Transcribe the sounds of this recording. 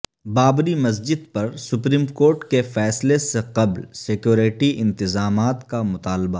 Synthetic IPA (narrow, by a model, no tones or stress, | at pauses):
baːbɾimɐs̬d͡ʒɪd̪̚pɐɾsʊpɾiːmkoːɾʈkefɛːsleseqɐblsekjoːɾeʈiʔɪ̃nt̪ɪzaːmaːt̪kamʊt̪aːlba